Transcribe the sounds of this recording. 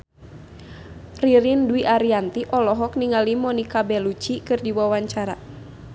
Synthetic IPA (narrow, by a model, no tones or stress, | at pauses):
riɾinduiʔaɾiant̪iʔɔlɔɦɔk̚niŋalimɔnikabɛlut͡ʃikɨrdiwawaɲt͡ʃaɾa